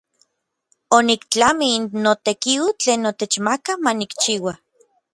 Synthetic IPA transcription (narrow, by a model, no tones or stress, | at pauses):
onikt͡ɬamiinːot̪ekiut͡ɬeːnot̪et͡ʃmakamanikt͡ʃiːwa